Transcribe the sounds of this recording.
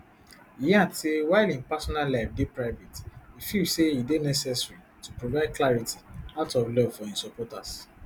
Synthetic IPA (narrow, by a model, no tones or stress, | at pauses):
ijãtʰiwaɪlĩnpasɔnalaɪfdepɹaɪvetifiseidenɛsɛsɹitupɹovaɪd̚klaɹitiaʊtɔflɔvfɔĩsɔpɔtas